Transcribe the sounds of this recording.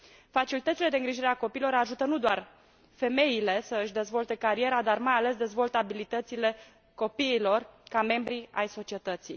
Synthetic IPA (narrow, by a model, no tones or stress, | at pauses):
fat͡ʃilit̪ət̪ile̞d̪eɨŋɡɾiʒiɾeako̞piːilo̞ɾaʒut̪ənud̪oar | fe̞me̞ile̞səɨʃd̪e̞zvo̞lt̪e̞kaɾie̞ɾad̪armajale̞s̬d̪e̞zvo̞lt̪abilit̪ət̪sile̞ | ko̞piːlo̞rkame̞mbɾia̰jso̞t͡ʃie̞t̪ət̪sij